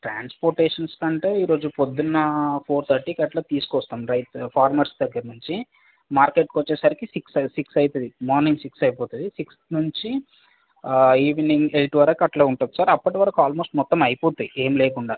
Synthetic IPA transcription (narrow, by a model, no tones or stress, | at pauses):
ʈɾaːnspoːɾʈeːʂɐnskɐɳʈeːiːɾo̞ːd͡ʒupod̪ːunːɐpʰoːɾt̪ʰɐɾʈiːkɐʈlɐːt̪iːsu̥kɔst̪aːmɾɐjt̪pʰaːɾmaːʈsd̪ɐɡːɐɾɐnuɲt͡ʃi | maːɾkeːʈkɔt͡ʃːɛːsaːɾikisiksɐsiksɐjt̪ɐd̪imɔːɾniŋɡsiksɐjpɔːt̪uɐd̪isiksnuɲt͡ʃi | iːʋniŋɡelʈʋɐɾɐkɐʈlɐːuɳʈɐːd̪usaːɾɐpːɐʈiʋɐɾɐkaːlmo̞ːsʈmɔt̪ːɐmɐjipoːt̪uniʔeːmileːkuɳɖaː